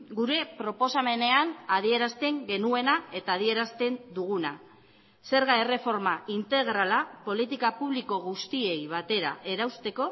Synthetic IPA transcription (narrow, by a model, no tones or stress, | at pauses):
ɡuɾe̞pɾo̞po̞same̞ne̞anað̞ie̞ɾast̪e̞ŋɡe̞nue̞nae̞t̪aːðie̞ɾast̪e̞nd̪uɣ̞una | se̞ɾɣae̞re̞fo̞ɾmaʔint̪e̞ɣ̞ɾalapo̞lit̪ikapuβliko̞ɣ̞ust̪ie̞jβat̪e̞ɾa̰ʔe̞ɾawst̪e̞ko̞